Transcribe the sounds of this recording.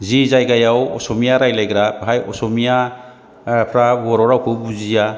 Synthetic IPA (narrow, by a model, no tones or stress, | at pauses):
zizajɡajawɔsɔmijaɾajlajɡɾabɦajɔ̰sɔmija | pʰɾabɔɾɔɾawkʰɯbuzija